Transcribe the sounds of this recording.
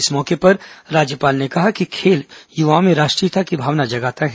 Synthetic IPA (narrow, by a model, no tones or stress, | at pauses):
ɪsmɔːkepɐɾɾaːd͡ʒjəpaːlnekɐɦakikʰeːljuʋamẽɾaːʃʈɾijt̪ʰakibʱaːʋnad͡ʒɐɡaːt̪aɦɛ